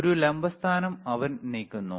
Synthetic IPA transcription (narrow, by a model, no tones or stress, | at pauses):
ɾulembɐst̪ʰaːnɐmɐʋɐnniːkʲːunːṵ